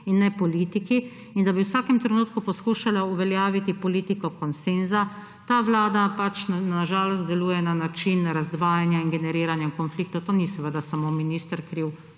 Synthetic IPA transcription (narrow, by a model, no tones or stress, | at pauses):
inːɛpɔliːt̪iki | ind̪abiwsaːkɛmt̪ɾɛnuːt̪kupɔskuːʃalauʋɛljaːʋit̪ipɔliːt̪ikɔkɔnsenza | t̪aːʋlaːd̪apat͡ʃnaʒaːlɔst̪d̪ɛluːjɛnanat͡ʃinɾazd̪ʋaːjanjainɡɛnɛɾiːɾanjaiŋkɔnflik̚t̪ɔt̪oːnisɛʋəd̪asamominiːst̪əɾkɾiw